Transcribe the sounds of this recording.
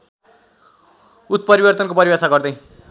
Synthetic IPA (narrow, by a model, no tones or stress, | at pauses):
ut̪̚pʌɾibʌrt̪ʌnkopʌɾibasaɡʌrd̪ʌj̃